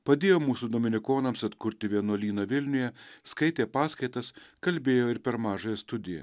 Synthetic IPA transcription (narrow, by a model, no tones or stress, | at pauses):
pɐd̪ʲeːjoːmuːsud̪oːmʲɪnʲɪkoːnɐmsɐt̪kʊɾʲt̪ʲɪʋʲiɛnoɔlʲiːnɐʋʲɪlʲnʲʊjɛskɐɪt̪ʲeːpɑːskɐɪt̪ɐskɐlʲbʲeːjoːɪɾpʲɛɾmɑːʒoːjɛst̪ʊd̪ʲɪjɛ̰